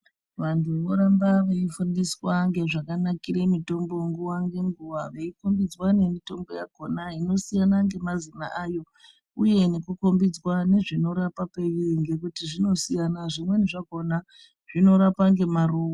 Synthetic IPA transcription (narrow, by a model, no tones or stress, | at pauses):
ʋantʰuʋoɾambaʋeifundiswaŋɡe̞ʐakanakiɾe̞mito̞mbo̞ŋɡuwaŋɡe̞ŋɡuʋaʋeikombid͡zwane̞mito̞mbo̞ja̰konaino̞sijanaŋɡe̞mazina̰ʔajo̞ | uje̞ne̞kuko̞mbid͡zwane̞ʐino̞ɾapape̞jiŋɡe̞kutiʐino̞sijanaʐimwe̞neʐakona | ʐ̥ino̞ɾapaŋɡe̞maroːwa